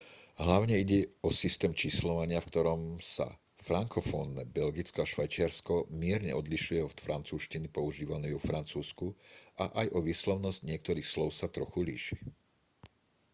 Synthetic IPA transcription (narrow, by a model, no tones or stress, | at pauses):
ɦlaʊɲɛiɟɛɔsist̪ɛːmt͡ʃislɔʋaɲɪafkt̪ɔɾɔmsa̰ | fɾaŋkɔfɔnːɛbɛlɡit͡skɔaʃʋajt͡ʃɪaɾskɔmɪɛɾɲɛ̰ɔd̪liʃujɛɔt̪fɾant͡suːʃcinipɔuʒiːʋanɛɔfɾant͡suːskuaʔajʔɔʋiːslɔʊnɔzcɲɪɛk̚t̪ɔɾiːxslɔʊsat̪ɾɔxulḭːʃi̥